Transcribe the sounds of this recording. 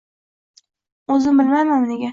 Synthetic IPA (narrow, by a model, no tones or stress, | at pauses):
ɵzɪmbɪlmajmanneɡʲa